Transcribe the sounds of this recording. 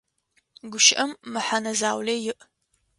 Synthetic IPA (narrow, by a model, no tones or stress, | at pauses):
ɡʷʊʃɪʔɐmːɨħanɐzaːwlɐjɪʔ